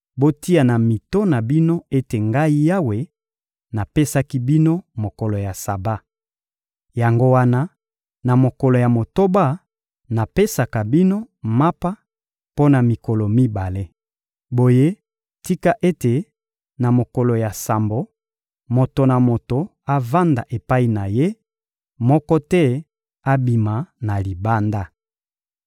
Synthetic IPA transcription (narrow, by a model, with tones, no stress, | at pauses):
bo˦ti˦a˨na˨mi˨to˦na˨bi˦no˦e˦te˨ŋɡa˦i˦ja˦we˨ | na˨pe˦sa˦ki˦bi˦no˦mo˨ko˨lo˨ja˨sa˨ba˦ | ja˨ŋɡo˦wa˦na˦ | na˨mo˨kɔ˨lo˨ja˨mo˨to˦ba˦ | na˨pe˦sa˨ka˨bi˦no˦ | ma˦pa˦ | po˦na˨mi˨ko˨lo˨mi˦ba˨le˦ | bo˨je˦ | ti˦ka˦ʔe˦te˨ | na˨mo˨kɔ˨lo˨ja˨sa˨mbo˨ | mo˨to˨na˨mo˨to˨ | a˦va˦nda˨ʔe˨pa˦i˦˨na˨je˦ | mɔ˦kɔ˦tɛ˦ | a˦bi˨ma˨na˨li˨ba˦nda˦